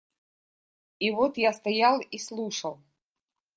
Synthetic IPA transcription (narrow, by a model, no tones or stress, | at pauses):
ivɔt̪jast̪ajalˠislˠuʂəlˠ